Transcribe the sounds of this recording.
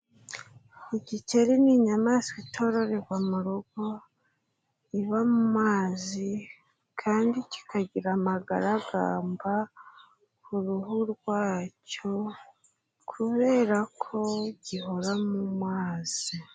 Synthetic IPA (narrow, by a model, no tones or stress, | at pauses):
iɟice̞ɾiniɲamaːskitʰo̞ɾo̞ɾe̞ɡwamuɾoɡ̥o | iβamumaːzi | kʰaːndici̥kʰaɟiɾamaɡaɾaɡa̰ːmba | kʰuɾuɦuɾɡwaːco̞ | kʰuβe̞ːɾakʰo̞ɟiho̞ɾamumwaːz̥i